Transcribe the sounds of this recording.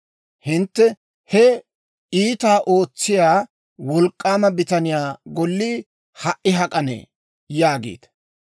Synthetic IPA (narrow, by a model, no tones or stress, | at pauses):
hɪnt̪ːɛ | hɛ | iːt̪aːʔo̞ːt͡sːɪjaː | wɔlkʼːaːmɐbɪt̪ɐnɪjaːɡɔlːiː | hɐʔʔɪɦɐkʼɐnḛː | jaːɡḭːt̪